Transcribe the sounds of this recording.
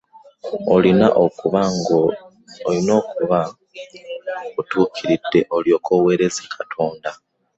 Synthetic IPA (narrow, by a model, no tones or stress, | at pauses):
olina̰ʔokuβaŋɡoː | ino̞ːkuβa | otuːkʰiɾidːe̞ʔo̞ljo̞ːkʰo̞we̞ːɾe̞zi̥kʰatʰo̞ːnda